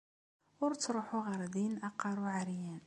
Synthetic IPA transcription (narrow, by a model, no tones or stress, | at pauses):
wəɾt̪ɾuħuɣɑɾˤd̪inʔɑqɑɾˤuʕaɾjæn